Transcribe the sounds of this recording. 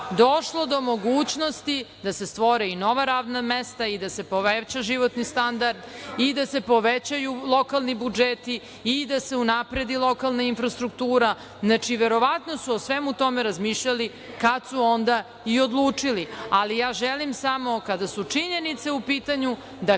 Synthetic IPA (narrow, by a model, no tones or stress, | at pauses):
d̪oʃlˠo̞d̪o̞mo̞ɡuːt͡ɕno̞st̪id̪asest̪ʋoɾɛino̞ʋaɾaːʋnamest̪aid̪ase̞poʋet͡ɕaʒiʋot̪nist̪and̪aɾd̪id̪ase̞po̞ʋet͡ɕajulˠo̞kalˠnibud͡ʒet̪iː | d̪ase̞unapɾed̪ilˠo̞kalˠnainfɾast̪ɾukt̪uːɾa | znat͡ʂiʋeɾo̞ʋat̪no̞suosʋemut̪o̞meɾazmiːʃʎali | kat̪suo̞nd̪a | io̞d̪lˠuːt͡ʂilialijaːʒelimsamo̞kad̪asut͡ʂiɲe̞nit̪se̞upiːt̪aɲu | d̪a